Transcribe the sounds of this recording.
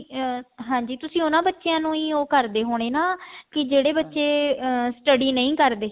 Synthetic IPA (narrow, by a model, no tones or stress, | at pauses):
ɦãːɲd͡ʒiːt̪ʊsĩːʊnãːbətːʃejãːnũːiːoːkəɾd̪eːɦoːɽ̃eːnaːkɪd͡ʒeːɽeːbətːʃeːsʈəɖiːnəĩːkəɾd̪eː